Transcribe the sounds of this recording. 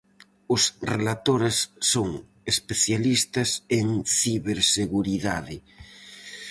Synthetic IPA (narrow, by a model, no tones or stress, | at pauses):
ʊsrelat̪oɾasːoŋ | espeθjalist̪ɐseŋθiβeɾseɣuɾiðaðɪ